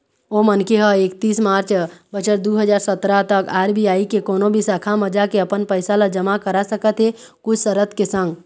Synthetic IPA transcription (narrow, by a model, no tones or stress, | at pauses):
omənkeɦəekt̪iːsmaɾt͡ʃbət͡ʃəɾd̪uɦəd͡ʒaːɾsət̪ɾat̪əkaɾbʱiaikekoːnobʱisakʰaməd͡ʒakeəpənpəɪsaləd͡ʒəmakəɾasəkət̪ɦe | kʊt͡ʃʰsəɾət̪kesə̃ŋɡ